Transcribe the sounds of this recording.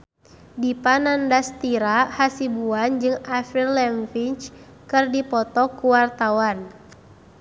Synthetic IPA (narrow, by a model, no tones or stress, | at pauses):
dipanandast̪iɾahasibuand͡ʒɨŋafirlɛmfiɲt͡ʃ | kɨrdipɔt̪ɔkuwart̪awan